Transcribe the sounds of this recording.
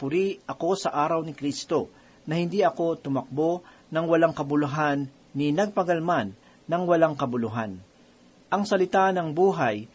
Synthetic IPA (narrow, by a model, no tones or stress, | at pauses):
pʊɾiʔɐko̞sɐʔaːɾɐwnɪkɾist̪o̞ | nɐhɪnd̪iʔɐko̞t̪ʊmɐk̚bo̞ | nɐŋwɐlaŋkɐbʊlʊɦanː | ɪnɐɡ̚pɐɡɐlmanː | ɐŋwɐlaŋkɐbʊlʊɦan | ʔɐŋsɐlɪt̪anɐŋbuːɦaj